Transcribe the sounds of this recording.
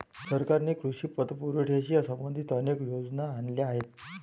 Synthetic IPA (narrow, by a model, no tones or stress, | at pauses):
səɾkaɾnekɾuɕiːpət̪puɾuʈʰjaɕiːasəmbənd̪ʱit̪ənekjod͡znaːnlaaɦet̪̚